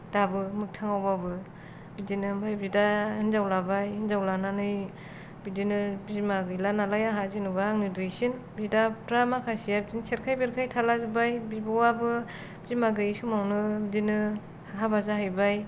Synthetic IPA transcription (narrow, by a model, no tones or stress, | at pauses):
d̥abɯmɯk̚tʰaŋawbabɯ | bidinɯmbajbidaɯnzawlabajhɯnzawlananɯj | bidinɯbizmaɡɯjlanalajaɦazinuβaŋidɾɯsin | bidapʰtɾamakʰasijabizinsʰeɾkʰajbeɾkʰajtʰalazɯbajbibuwabɯ | bzimaɡɯjsumawnɯbidinɯ | ɦabazaɦajbaj